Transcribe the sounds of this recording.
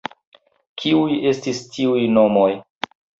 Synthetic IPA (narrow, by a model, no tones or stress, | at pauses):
kʰiuje̞stistʰiujnomo̞j